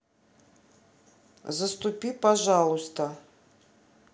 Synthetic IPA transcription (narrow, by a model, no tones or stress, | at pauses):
zəst̪upʲipaʐalˠust̪ə